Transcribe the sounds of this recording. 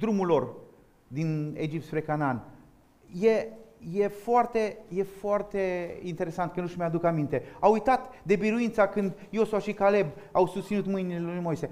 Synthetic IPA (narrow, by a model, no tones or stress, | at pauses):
d̪ɾumulo̞r | d̪ined͡ʒip̚t̪spɾe̞kanan | jeje̞foart̪e̞je̞foart̪e̞int̪e̞ɾe̞sant̪̚kənuʃmead̪ukamint̪e̞awujt̪at̪d̪e̞biɾuint̪sakɨnd̪jo̞suaʃikale̞b | awsust̪sinut̪mɨjnilelujmo̞jse̞